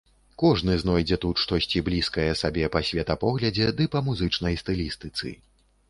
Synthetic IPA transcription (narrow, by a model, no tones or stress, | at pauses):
kɔʐnɨznɔjd͡zʲɛt̪ut̪ʂt̪ɔsʲt͡sʲiblʲiskɐjɛsabʲɛpɐsʲvʲɛt̪ɐpɔɣlʲɐd͡zʲɛd̪ɨpɐmuzɨt͡ʂnɐjst̪ɨlʲist̪ɨt̪sɨ̰